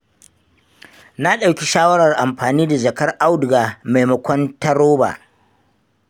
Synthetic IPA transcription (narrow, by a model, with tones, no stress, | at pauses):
na˦ɗa˨wkʲi˦ʃaː˦wɐ˦ɽɐ˨rʔa˨mɸaː˨niː˦da˨d͡ʒɐ˨kɐ˦rʔa˦wdɡaː˨ma˨jmɐ˨kʷɔ˦ntɐ˦ɾoː˦ba̰ː˨